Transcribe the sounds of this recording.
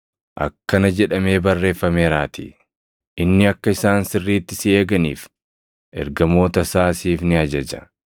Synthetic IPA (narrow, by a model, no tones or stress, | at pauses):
ʔɐ̰kːɐnɐd͡ʒɛᶑɐme̞ːbɐrːe̞ːfːɐmeːɾaːt̪ḭ | ʔɪnːɪɐkːɐɪsaːnsɪrːiːt̪ːɪsɪeːɡɐnḭːf | ʔɛ̰ɾɡɐmo̞ːt̪ɐsaːsiːfnɪɐd͡ʒɐd͡ʒɐ̥̰